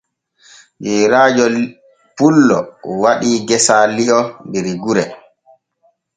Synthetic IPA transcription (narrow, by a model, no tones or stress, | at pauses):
d͡ʒɛɾaːd͡ʒɔ | pulːɔwaɗiːɡɛsaliɔndiɾiɡuɾɛ